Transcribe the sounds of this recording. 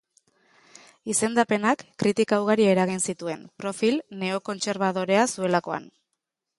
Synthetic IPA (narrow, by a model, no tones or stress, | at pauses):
ise̞nd̪ape̞nakːɾit̪ikawɣaɾieɾaɣ̞insit̪ue̞npɾo̞filne̞o̞ko̞nt͡se̞ɾβ̞aðo̞ɾe̞asue̞lako̞a̰n